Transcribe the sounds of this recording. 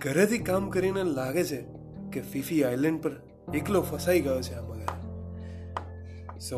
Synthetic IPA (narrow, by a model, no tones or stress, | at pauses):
ɡʱəɾet̪ʰikamkəɾinelaɡet͡ʃʰe | kefifiajlɛ̃ɳɖ̚pəɾ | eklofəsaiɡəjot͡ʃʰeaməɡa | sə